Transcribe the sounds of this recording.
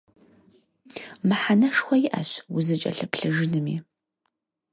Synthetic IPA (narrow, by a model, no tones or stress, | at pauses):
mɨħanɐʂxʷɔjɪʔɐ̰ɕwʊzɨt͡ʃʼɐ̰ɬɨpɬɨʒɪnɨmḭː